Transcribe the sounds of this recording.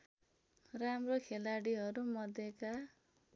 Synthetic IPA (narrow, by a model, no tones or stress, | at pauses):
ramrokʰelaɽiɦʌɾumʌd̪eka